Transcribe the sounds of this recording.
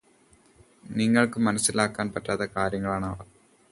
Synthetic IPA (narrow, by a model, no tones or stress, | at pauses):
niŋːɐɭkɨmɐnɐsːilaːkːaːnpɐtːaːt̪ɐkaːɾjɐŋːɐɭaːɳɐːʋɐ